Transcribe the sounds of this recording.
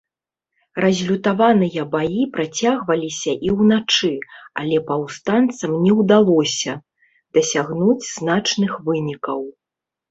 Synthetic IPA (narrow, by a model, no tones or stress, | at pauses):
rɐzʲlʲut̪avanɨjɐbajipɾat͡sʲaɣvɐlʲisʲɐʔiwnat͡ʂɨa̰lʲɛpɐwst̪ant̪sɐmnʲɛwd̪alˠɔsʲɐ | d̪̥ɐsʲaɣnud͡zʲznat͡ʂnɨxvɨnʲikɐw